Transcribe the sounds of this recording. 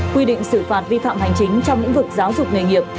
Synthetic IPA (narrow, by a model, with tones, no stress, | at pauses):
kwi˧ɗḭ̈˧˨ŋ̟sɨ˧˩faː˨˩t̚vi˧fa̰ː˧˨mha˨˩jŋ̟t͡ɕï˨˦ŋ̟t͡ɕɔ˧wŋ͡mɲɨ̰˧˥ŋvɨ˨˩ək̚zaː˨˦wzʊ˨˩k͡p̚nə̰ː˧˨˩jŋi˨˩əp̚